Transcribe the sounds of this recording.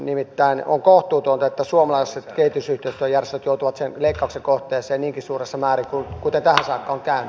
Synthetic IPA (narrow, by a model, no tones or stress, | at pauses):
nimit̪ːæino̰ŋkoht̪ˑuːt̪uont̪ɑet̪ːæsuomɑlɑisset̪keit̪ysyht̪eist̪øjjærest̪øt̪jout̪uʋɑt̪senleikːɑuksekoht̪eːsˑeːnniːŋkissuːresːɑmæːrikukut̪ent̪æhænsɑːkːɑoŋkæyny